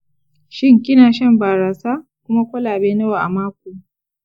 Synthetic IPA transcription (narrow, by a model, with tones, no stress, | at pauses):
ʃɪ˦ŋkʲʼɪ˦naː˨ʃɐ˦mbaː˨ɾaː˨saː˦kʷʊ˦ma˦kʷɐ˦laː˨beː˦nɐ˦wa˨ʔa̰˨maː˦kʷoː˨